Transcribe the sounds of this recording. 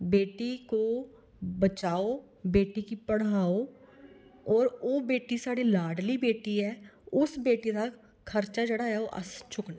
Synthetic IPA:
beːʈiko | bɐt͡ʃaːo | beːʈikipɐɽaːo | ɔːɾoːbeːʈisaːɽilaːɖlibeːʈiɦɛːʊsbeːʈit̪a | kʰɐɾt͡ʃad͡ʒɐɽaɦɛoʔɐ̰st͡ʃʰʊkna

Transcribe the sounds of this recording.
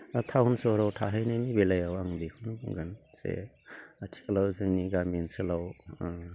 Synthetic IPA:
tʰawunsɔɾawtʰaɦajnajnibelajawaŋbikʰunbuɡansḛ | atʰi̥klawzɯŋniɡaminsɯlaw

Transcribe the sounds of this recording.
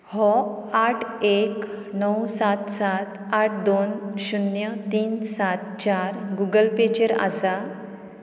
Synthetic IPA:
hɔ | aʈʰek | nɔwsat̪sat̪ | aʈ̚ʰd̪onɕunjət̪iːnsat̪t͡ɕaɾɡuɡəlpet͡ɕəɾa̰sa

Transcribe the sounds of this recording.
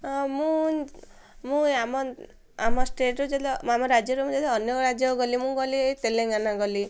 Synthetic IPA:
mũ | mũamɔ | amɔsʈeʈɾud͡ʒed̪amɔɾad͡ʒjɔɾumũd͡ʒed̪ɔɔnjɔɾad͡ʒjɔɡɔlimũɡɔliet̪elẽɡanaɡɔli

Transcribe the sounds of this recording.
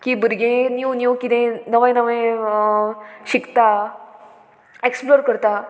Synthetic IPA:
kiːbəɾɡẽnjunjukit̪ẽnəʋə̃jnəʋə̃j | ɕikt̪a | eksploɾkəɾt̪a

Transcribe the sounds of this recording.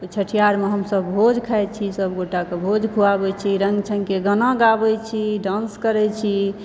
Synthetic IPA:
t͡ʃʰəʈʰijaɾmeɦəmsəbːʱod͡ʒkʰaet͡ʃʰisəbɡoʈakebʱod͡ʒkʰuabɛt͡ʃʰiɾəŋɡt͡ʃʰəŋkeɡənãɡabɛt͡ʃʰiɖãnskəɾɛt͡ʃʰi

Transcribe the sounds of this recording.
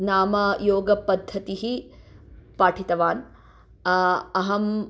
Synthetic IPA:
naːmɐjoːɡɐpɐd̪ʱːɐt̪iɦi | paːʈʰit̪ɐʋaːn | ɐɦɐm

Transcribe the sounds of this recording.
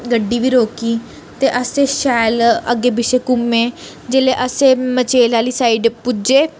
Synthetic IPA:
ɡəɖːiʋiːɾoːkiː | t̪eʔəseʃajləɡebɪsekume | d͡ʒeːleʔəsemət͡ʃeːlalisaiɖpud͡ʒeː

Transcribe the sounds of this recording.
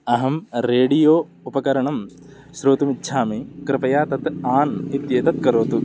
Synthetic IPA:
ɐɦɐmɾeːɖijoː | upɐkɐɾɐɳɐm | ʃɾoːt̪umitːʃʰaːmikɾɪpɐjaːt̪ɐt̪aːnit̪jeːt̪ɐt̪̚kɐɾoːt̪u

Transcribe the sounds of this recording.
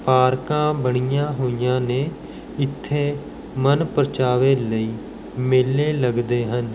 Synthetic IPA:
paːɾkãːbəɳ̃ijãːɦoːɪjãːneː | ɪt̪ʰːeː | mənpəɾt͡ʃaːʋeːləiː | mɪlːeːləɡd̪eːɦən

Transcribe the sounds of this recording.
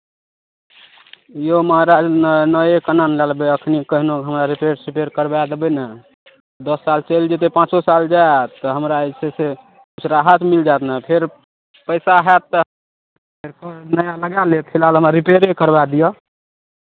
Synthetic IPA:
jomaɾanənəjekənanlalbeəkʰnikəɦinokɦəmɾaɾipeɾsɾipeɾkəɾbad̪ebənɛ | d̪əsːalt͡ʃəld͡ʒet̪̬epãt͡ʃosald͡ʒaet̪ːəɦəmɾasese | kut͡ʃʰɾaɦat̪mild͡ʒat̪napʰeɾ | pəjsaɦɛt̪ː | peɾkənəjaləɡalet̪pʰilɦalɦəmɾaɾipeɾekəɾbad̪ijə

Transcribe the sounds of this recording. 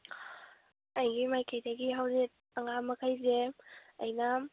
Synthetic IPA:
ajɡimajkajdaɡiɦawzit̚ | ɐŋamɐkʰajzeɐjna

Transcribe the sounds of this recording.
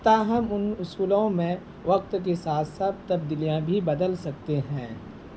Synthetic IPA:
t̪aɦɐmʊnʊsuːlõmẽ | ʋɐq̚t̪k̬esaːt̪ʰsab̚t̪ɐb̚d̪iːlijãbʱibɐd̪əlsɐk̚t̪eɦɛ̃ː

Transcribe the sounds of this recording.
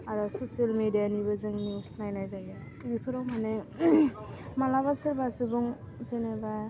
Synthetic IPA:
aɾɔsosialmedijanibɯzɯŋniusnajnajzaja | bipʰɯɾawmane | malaβasɯɾbasubuŋ | zeneba

